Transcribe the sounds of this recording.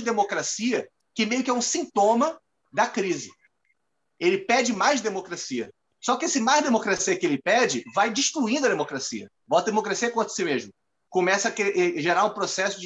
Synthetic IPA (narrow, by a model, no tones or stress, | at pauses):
d̪emokɾasiɐ | kɪmejʊkɪɛũsĩt̪õmɐ | d̪ɐkɾizɪ | elɪpɛd͡ʒɪmajzd̪emokɾasiɐ̰ | sɔkɪesɪmaʒd̪emokɾasiɐkɪelɪpɛd͡ʒɪvajd͡ʒiʃt̪ɾuĩnd̪ʊɐd̪emokɾasḭɐ̰ | bɔwt̪ɐd̪emokɾasiɐkwõt̪ɾɐ̥simeʒmʊ | kõmɛsɐkʔɛʒeɾaɾũpɾosɛsʊd͡ʒɪ